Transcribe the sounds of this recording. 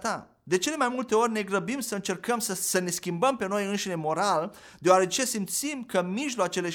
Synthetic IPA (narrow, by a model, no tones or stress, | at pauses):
t̪a | d̪e̞t͡ʃe̞le̞majmult̪e̞o̞rʲne̞ɡɾəbimsəɨnt͡ʃe̞rkəmsəsəne̞skʲimbəmpe̞nojɨnʃine̞mo̞ɾal | d̪eoaɾe̞t͡ʃe̞simt̪simkəmiʒloat͡ʃe̞le̞